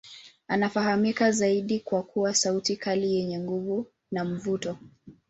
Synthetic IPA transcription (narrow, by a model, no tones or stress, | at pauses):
anafahamikazaiɗikwakʰuwasautikʰalijɛɲɛŋɡuvu | nam̩vutɔ